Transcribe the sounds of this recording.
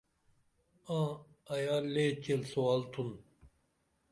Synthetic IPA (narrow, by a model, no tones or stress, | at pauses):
ã | ɐjaːlet͡ɕelsoalt̪ʰun